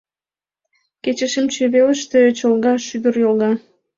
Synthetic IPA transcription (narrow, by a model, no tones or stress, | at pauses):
ket͡ɕəʃəmt͡ɕeβeləʃt̪et͡ɕəlɣɑʃyd̪ərjolˠɑ